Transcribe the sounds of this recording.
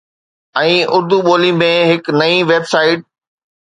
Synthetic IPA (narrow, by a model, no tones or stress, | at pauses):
ɛ̃ːʔʊɾd̪uɓoːlimẽɦɪknɐĩʋeːbsaːɪʈ̚